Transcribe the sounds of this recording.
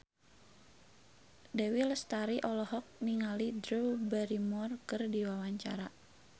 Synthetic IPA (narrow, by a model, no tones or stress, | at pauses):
dɛwilst̪aɾiʔɔlɔhɔk̚niŋalidɾubɛɾimɔrkɨrdiwawaɲt͡ʃa̰ɾa